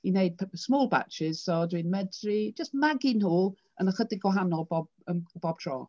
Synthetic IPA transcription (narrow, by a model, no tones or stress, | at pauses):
ineɨd̥̚pʰsmoːlˠba̰t͡ʃɪz̥sɔdwinmɛdrid͡ʒəstmaɡinhuːlˠ | ənəχədɪɡwaɦanɔlˠbɔb | ənb̥ɔb̥̚tʰrɔ̰ː